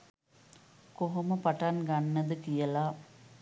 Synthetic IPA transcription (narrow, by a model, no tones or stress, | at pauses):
koɦoməpaʈanɡanːɐd̪ɨkijɐla